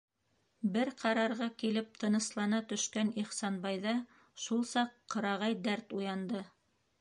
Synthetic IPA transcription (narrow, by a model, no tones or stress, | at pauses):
bɘɾqʰɑɾɑɾʁɑkilɘp̚t̪ʰɤ̆nɤ̆slˠɑnɑt̪ɵ̆ʃkæniχsɑnbɑjðɑ | ʃulˠsɑqːɤ̆ɾɑʁɑjd̪æɾt̪ujɑnd̪ɤ